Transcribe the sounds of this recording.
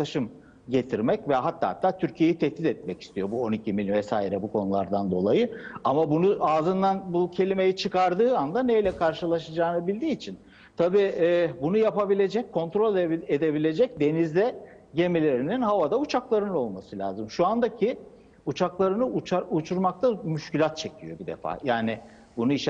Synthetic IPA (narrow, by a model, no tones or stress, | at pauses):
klˠaʃɯm | ɟe̞t̪ʰiɾmɛcvɛɦat̪ʰːaːhat̪ʰːaːt̪ʰyɾcʰije̞jit̪ʰɛt̪ːit̪ɛt̪̚mɛci̥st̪ʰijo̞buo̞nicʰimilʲvɛsaːiɾɛbukʰo̞nulˠa̰ɾd̪and̪o̞lˠajɯamabunuʔaːzɯnd̪anbucʰe̞lʲime̞jit͡ʃʰɯkaɾd̪ɯːand̪ane̞jlʲɛkʰaɾʃɯlˠaʃad͡ʒaːnɯbilʲd̪iːt͡ʃʰin | t̪ʰabiːbunujapabilʲe̞d͡ʒɛc̚ʲkʰːo̞nt̪ɾo̞lʲed̪e̞bilʲe̞d͡ʒɛc̚d̪e̞nizd̪ɛ | ɟe̞milʲe̞ɾininɦavad̪aut͡ʃʰaklˠaɾɯnɯo̞lˠmasɯlʲa̰ːzɯmʃuand̪acʰi | ut͡ʃʰaklˠaɾɯnɯut͡ʃaut͡ʃʰuɾmak̚t̪ʰamyʃcilʲat̪̚t͡ʃʰe̞cʰijo̞bid̪e̞̰fa̰ːjaːnɪ | bunuiʃ